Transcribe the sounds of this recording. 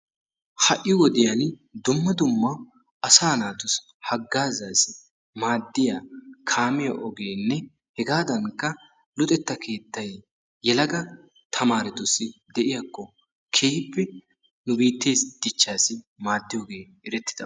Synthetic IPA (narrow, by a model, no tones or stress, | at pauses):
hɐʔːɪjwɔd̪ɪjɐn | d̪ʊmːɐd̪ʊmːɐ | ɐsaːnaːt̪ʊs | hɐɡːaːzaːsɪ | maːd̪ːɪjakʰaːmɪjɐʔɔɡeːnːɛ | hɛɡaːd̪ɐŋkːɐ | lʊt̪ʼɛt̪ːɐkʰe̞ːt̪ːɐj | jɛlɐɡɐ | t̪ʰɐmaːɾɛt̪ʊsɪd̪ɛʔɪjakːɔ | kʰeːpːɛ | nʊbiːt̪ːe̞ːsd̪̥ɪt͡ʃːaːsɪ | maːd̪ːɪjoːɡe̞ː | ɛɾɛt̪ːɪd̪̥ɐ